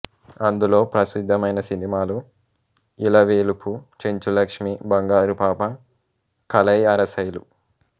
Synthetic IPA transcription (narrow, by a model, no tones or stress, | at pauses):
ɐnd̪ulo̞ːpɾɐsid̪ʱːɐmɐjnɐsinimaːlu | ilɐʋeːlupʰut͡ʃeɲt͡ʃulɐkʂmibɐŋɡaːɾupaːpɐ | kɐlɐjɐɾɐsɐjlu